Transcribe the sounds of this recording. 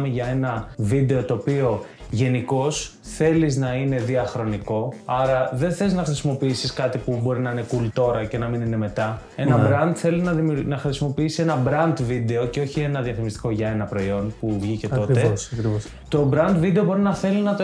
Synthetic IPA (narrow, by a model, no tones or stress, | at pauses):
miʝɐe̞nɐvid̪e̞o̞t̪o̞ːpio̞ʝe̞niko̞s | θe̞liznɐine̞ðiɐxɾo̞niko̞ɐɾɐðenθe̞iznɐxɾisimo̞piisiskɐt̪ipubo̞ɾinɐine̞kult̪o̞ɾɐce̞nɐminine̞me̞t̪ɐ | e̞nɐbɾɐnd̪θe̞liznɐðimunɐxɾisimo̞piisi̥senɐbɾɐnd̪vid̪e̞o̞ce̞o̞çie̞nɐðiɐfimist̪i̥ko̞ʝɐe̞nɐpɾo̞io̞npuvʝice̞o̞t̪eɐk | t̪o̞bɾɐnd̪vid̪eobo̞ɾinɐθe̞linɐt̪o